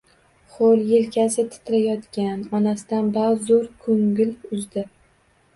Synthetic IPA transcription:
χoljelkʲʰasɪt̪ʰɪ̥t̪ʰɪɾajɒt̪kʲanɒnasɪd̪anbazoɾkʰoŋɡɪlʊzd̪ɪ

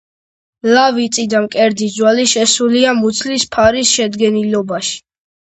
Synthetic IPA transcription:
lavit̪sʼid̪amkʼɛɾd̪izwaliʃɛsuliamut̪sʰlispʰaɾisʃɛd̪ɡɛnilɔbaʃi̥

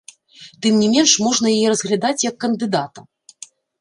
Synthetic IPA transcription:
t̪ɨmnʲɛmʲɛnʂmɔʐnɐjɐjɛɾɐzɣlʲad̪at͡sʲjɐkːɐnd̪ɨd̪at̪ɐm

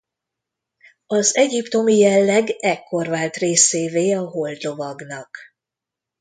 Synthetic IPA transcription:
ɒzɛɟipt̪o̞mijɛlːɛɡɛkːo̞rvaːlt̪reːseːveːɒɦo̞ld̪lo̞vɒɡnɒk

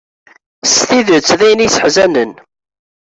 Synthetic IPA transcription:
sθiðət͡sːðæjnisə̥ħzænən

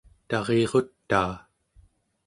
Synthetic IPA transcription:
t̪ɑʁeːʁo̞t̪ːaː

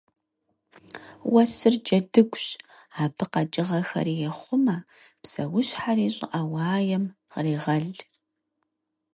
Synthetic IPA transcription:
wɐsɨrd͡ʒɐdɨɡʷɕ | aːbʰɨqɐd͡ʒʼɪʁɐxɐ̰ɾijɛχʷʊmɐ | psɐ̰wʊɕħaɾiːɕʼɪ̰ʔawɑːjɛm | ʁriːʁɐɮ

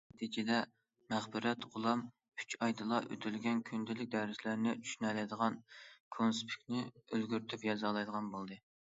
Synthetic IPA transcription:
t̪ʰid͡ʒɪd̪ɛ | mæχbɪɾɛt̪ʁʊlˠɑm | y̥t͡ʃɑjd̪ɨlˠɑʔø̰t̪ʰylɡʲɛnkʲʰynd̪ɪlɪk̚ʲd̪æɾɪslæɾnɪt͡ʃʰy̥ʃynɛlɛjd̪əʁɑnkʰonspʰi̥kʲnɪølɡʲyɾt̪ʰypjɑzɑlˠɑjd̪əʁɑnbolˠd̪ɨ

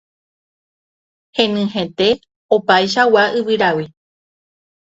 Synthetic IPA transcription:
hẽ̞nɨ̃ɦẽ̞t̪e̞ | opajʃ̬awaʔɨʋɨɾawi

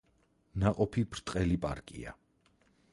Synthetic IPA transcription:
naqʼɔpʰibɾt̪ʼqʼɛlipʼaɾkʼḭa̰

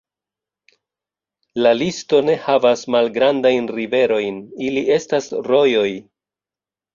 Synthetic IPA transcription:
lalisto̞ne̞havasmalɡɾandajnɾive̞ɾo̞jniliʔe̞stasɾo̞jo̞j

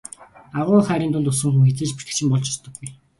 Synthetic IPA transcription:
aʁʊːχæːɾʲiːnt̪ʊɮt̪ʊsə̆ŋxuŋxet͡seːt͡ɕpi̥t̪ɘ̥̆kt͡ɕʰɪ̆mpɔɮt͡ɕɔst̪ɞ̆ɡːuj

